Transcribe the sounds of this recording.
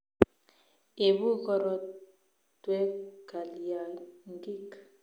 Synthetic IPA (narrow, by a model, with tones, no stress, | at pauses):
e˨βu˦kɔ˦ɾɔ˦ | twɛ˦ka˨li˨ja˨ŋ˦ɡi˦k